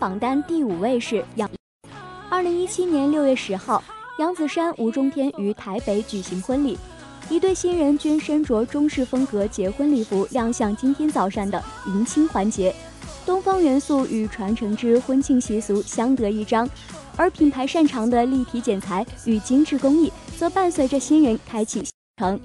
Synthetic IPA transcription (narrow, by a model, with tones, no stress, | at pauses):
pɑ˨˩ŋt̪a˥nt̪i˥˩u˨˩we˥˧ɪʂɻ̩˥˩j | ə˞˥˩li˧˥ŋi˥t͡ɕʰi˥njɛ˧˥nljo˥˧ʊɥɛ˥˩ʂɻ̩˧˥xɑ˥˩ʊjɑ˧˥ŋt͡sɹ̩˨˩ʂa˥nʔu˧˥ʈ͡ʂʊ˥ŋt̪ʰjɛ˥ny˨˩t̪ʰa˧˥ɪpe˧˥ɪt͡ɕy˨˩ɕi˧˥ŋxwə˥nli˨˩ | i˧˥t̪we˥˩ɪɕi˥nɻə˧˥nt͡ɕy˥nʂə˥nʈ͡ʂwɔ˧˥ʈ͡ʂʊ˥ŋʂɻ̩˥˩fɤ˥ŋkɤ˧˥t͡ɕjɛ˧˥xwə˥nli˨˩fu˧˥ljɑ˥˧ŋɕjɑ˥˩ŋt͡ɕi˥nt̪ʰjɛ˥nt͡sɑ˨˩ʊʂa˥˩ŋd̪ə˩i˧˥nt͡ɕʰi˥ŋxwa˧˥nt͡ɕjɛ˧˥ | t̪ʊ˥ŋfɑ˥ŋɥɛ˧˥nsu˥˩y˨˩ʈ͡ʂʰwa˧˥nʈ͡ʂʰɤ˧˥ŋʈ͡ʂɻ̩˥xwə˥nt͡ɕʰi˥˩ŋɕi˧˥su˧˥ɕjɑ˥ŋt̪ɤ˧˥i˥˩ʈ͡ʂɑ˥ŋ | ə˞˧˥pʰi˨˩npʰa˧˥ɪʂa˥˩nʈ͡ʂʰɑ˧˥ŋd̪ə˧li˥˩p̪ʰi˧˥t͡ɕjɛ˨˩nt͡sʰa˧˥ɪy˨˩t͡ɕi˥ŋʈ͡ʂɻ̩˥˧˩kʊ˥ŋi˥˩t͡sɤ˧˥pa˥˧nswe˧˩ɪʈ͡ʂə˥˧˩ɕi˥nɻə˧˥nkʰa˥ɪt͡ɕʰi˨˩ɕʈ͡ʂʰɤ˧˥ŋ